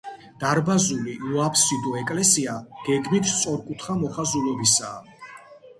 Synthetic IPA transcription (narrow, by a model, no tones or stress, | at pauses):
d̪̥aɾbazuliuapʰsid̪ɔɛkʼlɛsiaɡ̥ɛɡmit̪ʰt̪sʼɔɾkʼut̪ʰχamɔχazulɔbisaː